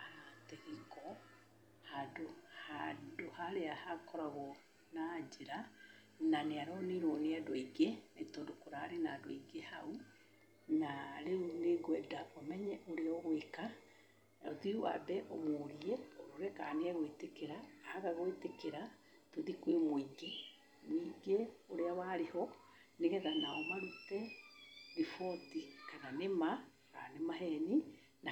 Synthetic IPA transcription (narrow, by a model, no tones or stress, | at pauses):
ateɣekɔ | hadohadohaɾeahakɔɾaɣɔ | nad͡ʒeɾa | naneaɾɔneɾoneadoiɡenetɔdokoɾaːɾenaːdoiɡehau | naɾeuneɡwɛdaʔomɛɲɛʔoɾeɔɣweka | oðiua̰bɛʔɔmoɾiɛɾoɾɛkaneɛɣoetekeɾaːhaɣaɣoetekeɾa | toðikwemwiŋɡe | niːɡeoɾeawaɾehɔ | neɣɛɣanaomaɾutɛ | ɾifɔtikananema | ka̰nemahɛni | na